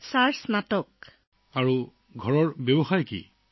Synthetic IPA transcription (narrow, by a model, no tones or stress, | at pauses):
saɹsnatɔk | aɹu | ɡʱɔɹɔɹbebɔxajkḭ